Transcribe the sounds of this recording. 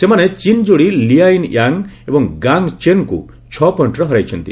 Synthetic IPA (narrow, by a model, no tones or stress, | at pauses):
semanet͡ʃind͡ʒoɽiliainjaŋebɔŋɡaŋt͡ʃenkṵ | t͡ʃʰɔpɔɳʈɾɔɦɔɾajt͡ʃʰɔnt̪ḭ